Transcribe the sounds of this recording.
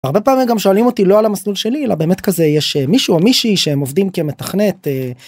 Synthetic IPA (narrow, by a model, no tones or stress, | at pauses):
aʁbepaːmimɡamʃoalimo̞t̪ilo̞alamaslulʃe̞lielabe̞ːme̞t̪kaze̞jeʃemiʃuamiʃiʃeemo̞vd̪imkemetaχne̞t̪e